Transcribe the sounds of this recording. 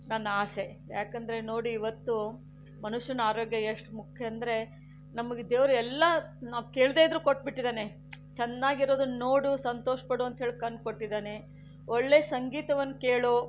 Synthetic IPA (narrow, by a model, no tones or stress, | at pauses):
nɐnːaːse̞ | jaːkɐnd̪ɐɾe̞no̞ːɽuiʋɐt̪ːu | mɐnuʂjɐnaːɾoːɡjɐeʂʈmukʰjɐɐnd̪ɐɾe̞ | nɐmɐɡed̪eːʋɐɾuɛlːɐnaːkeːɭd̪eːid̪ɾuːkoʈ̚ːbiʈːid̪aːne | t͡ʃɛnːaːɡiɾo̞ːd̪unoːɽusɐnt̪oːʂɐpɐɽuɐnt̪ɦeːɭikɐnkoʈːid̪aːne | oɭːe̞ːsɐŋɡiːt̪ɐʋɐnːukeːɭo